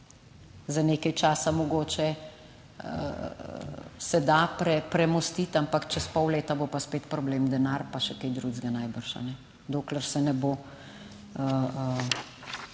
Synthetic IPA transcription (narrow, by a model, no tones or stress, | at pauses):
zaneːkajt͡ʃaːsamɔɡoːt͡ʃɛ | ə | sɛd̪apɾɛpɾɛmɔst̪iːt̪ampakt͡ʃɛspɔwleːt̪abopaspeːt̪pɾɔbleːmd̪ɛnaːɾpaʃɛkejd̪ɾuzɡanajbəɾʃa̰nɛ | d̪oːkləɾsɛnɛbo | ə